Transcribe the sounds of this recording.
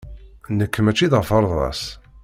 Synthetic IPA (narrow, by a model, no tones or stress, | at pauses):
nəkːəmæt͡ʃːiðʁəfɑɾˤðˤɑ̰s